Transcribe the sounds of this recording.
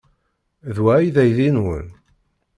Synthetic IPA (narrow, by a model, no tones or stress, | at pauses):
ðwæjðæjðinwə̰n